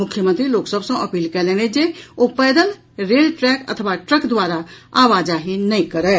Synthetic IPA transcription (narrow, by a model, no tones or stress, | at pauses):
mʊkʰjəmə̃nt̪ɾiloːksəbsõʔɐpiːlkɛleːned͡ʒeopɛːd̪əl | ɾeːlʈɾɛːkɐ̰t̪ʰəʋaʈɾəkd̪waːɾaaːʋaːd͡ʒaɦinɐĩkɐɾɛː